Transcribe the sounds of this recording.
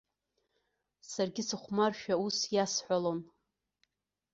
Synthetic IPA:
sarɡʲɪsɨχʷmarʃᶣausjasħʷalon

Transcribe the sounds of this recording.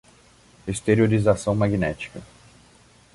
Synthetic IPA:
est̪eɾioɾizasɐ̃w̃maɡinɛt͡ʃi̥kɐ

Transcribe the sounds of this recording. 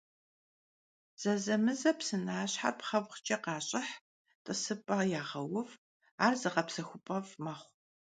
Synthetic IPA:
z̥ɐzɐmɨzɐpsɨnaːɕħa̰rpχɐwʷχt͡ʃʼɐqɑːɕʼɪħ | tʼɨsɨpʼɐjaːʁɐwʊv | aːrzɨʁɐpsɐxʷʊpʼɐvmɐχʷ

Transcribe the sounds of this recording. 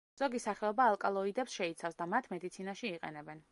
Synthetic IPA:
z̥ɔɡisaχɛɔbaːlˠkʼalˠɔid̪ɛpsʃɛit̪sʰafsd̪amat̪ʰmɛd̪it̪sʰinaʃiːqʼɛ̰nɛbɛn

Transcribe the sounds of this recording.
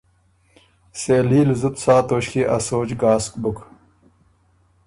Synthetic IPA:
seːliːlzut̪saːt̪oːɕkiʔɐsoːd͡ʑɡaːskbuk

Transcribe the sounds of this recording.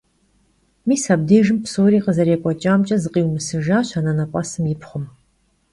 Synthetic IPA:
miːsab̚deːʒɨmpsoːɾiːqəzɐɾeːkʷʼɔt͡ʃʼaːmt͡ʃʼɐzɨqʼiːwmɨsɨʒaːɕʷanɐnɐpʷʼɐsɨmjɪpχʷʊm

